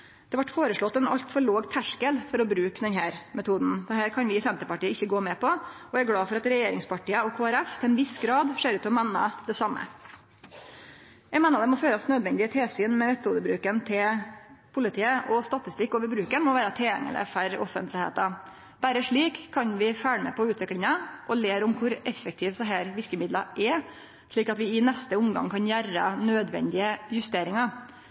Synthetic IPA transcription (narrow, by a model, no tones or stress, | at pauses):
d̪̥ɛʋɑʈːfoːɾəʂɭɔt̪ːɛnɑ̰ʎt̪fɔɭoːɡt̪ʰæʂkəlfɔɾɔbɾʉːkd̪ɛnɦæːɾmɛt̪ʰuːd̪n̩d̪̥ɛɦæːɾkʰɑnʋɪɪsɛnt̪əɾpɑʈiːəɪçːəɡoːmɛːpɔ | ɔæɡlɑːfɔɾɑt̪ɾɛjeːɾɪ̰ŋspʰɑʈiːəɔkʰoːæɾɛft̪ʰɛlɛnʋɪsɡɾɑːd̪ʂeːɾʉːt̪ːɔmɛnːɑ̰d̪ɛsɑmːə̰ | jɛmeːnɑd̪ɛmɔføːɾɑsnøːd̪ʋɛnd̪ɪət̪ʰeːsyːnmɛmɛt̪ʰːuːd̪əbɾʉːkənt̪ʰɪlpʰʊlɪt̪ʰiːəʔɔst̪ɑt̪ɪst̪ɪkːoːʋəɾbɾʉːkənmɔʋæːɾɑt̪ʰɛljɛ̰ŋə̰lə̰fæɾɔ̰fənt̪lɪhḛːt̪ɑ | b̥æɾəʂɭiːkʰːɑɲʋɪfæːɳəmɛ̰pʰɔʉːt̪ʋɪkɽɪŋɑʔɔleːɾʊmkʰʊɾɛfːək̚t̪ʰiːʋsɛɦæːɾʋɪɾkəmɪd̪lɑʔɛ | ʂɭiːkɑt̪ʋɪɪnɛst̪əʊmɡɑ̰ŋkʰɑnjæɾɑ̰nøːd̪ʋɛ̰nd̪ɪəjʉst̪eːɾɪŋɑ